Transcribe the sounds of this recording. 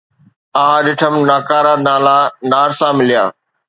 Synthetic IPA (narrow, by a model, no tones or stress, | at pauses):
aɦãɗɪʈʰəmnaːkaːɾanaːlanaːɾsãmɪlija̰ː